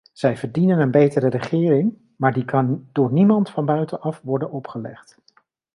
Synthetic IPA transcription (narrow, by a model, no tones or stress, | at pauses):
z̥ɛjvəɹdinənənbejtəɾərəχɪːrɪŋ | maːɹdikɑnd̥ʊːɹnimɑntfɑnbœɥtənɑfʋɔɹdənɔpχəlɛ̰χt